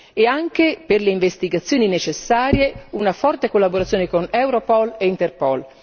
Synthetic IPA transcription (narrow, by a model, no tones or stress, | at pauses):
eaŋkeperleiɱvest̪iɡat̪sːjoːninet͡ʃesːaːɾjeunafɔrt̪ekolːaboɾat̪sːjoːnekonɛwɾopɔleint̪erpɔl